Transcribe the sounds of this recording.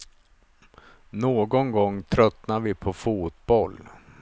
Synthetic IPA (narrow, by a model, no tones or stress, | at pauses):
noːɡɔnɡɔŋːt̪ʰɾœt̪naɾvɪpʰɔfuːt̪̚bɔl